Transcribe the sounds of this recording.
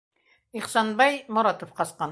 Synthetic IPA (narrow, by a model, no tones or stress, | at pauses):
iχsɑnbɑjmʊɾɑt̪ŏfqɑsqɑn